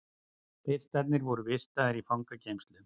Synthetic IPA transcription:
pɪl̥t̪at̪nɪɾvɔɾʏvɪst̪aðɪɾifawŋkacejmst̪lʏ

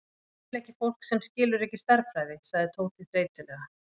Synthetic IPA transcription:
lɛhcɪfowl̥ksɛmscɪːlʏɾɛhcːɪst̪aɾfɾaːjðɪsaɣðɪt̪ʰoːwt̪ʰɪfɾeːjt̪ʏlɛːɣa

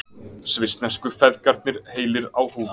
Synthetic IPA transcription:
svɪst̪nɛskʏfɛðcaɾt̪nɪɾ̥heːjlɪɾawhuːv

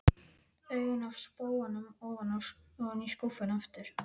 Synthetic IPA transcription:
œɥɣʏnav̥spoːwanʏmɔːvananiskɔfʏnaft̪ɪɾ̥

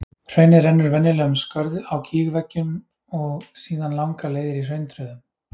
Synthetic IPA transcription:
r̥œɥnɪðɾɛnːʏɾvɛnːɪlɛːɣʏmskœɾðawcʰiːɣvɛcːʏm | ɔɣsiːðanlawŋkaleːjðɪɾir̥œɥnt̪ʰɾœːðʏm

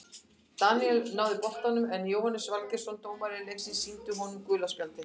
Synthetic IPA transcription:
t̪aniɛlnaːwðɪpɔht̪anʏmɛnjoːwhanːɪsvalcɪ̥sɔnt̪oːwmaɾɪleksɪnsiːnt̪ʏɦɔnʏmkʏːlaspjalt̪ɪ

